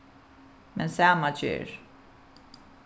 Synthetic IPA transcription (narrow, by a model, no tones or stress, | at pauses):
mɛ̃nsamʌt͡ʃḭɹ